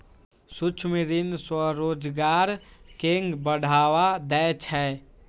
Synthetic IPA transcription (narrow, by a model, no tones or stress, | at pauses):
sut͡ʃʰmiɾinswəɾoːd͡ʒɡaɾkeŋɡbəɽ̤ʱawad̪ɛt͡ʃʰɛ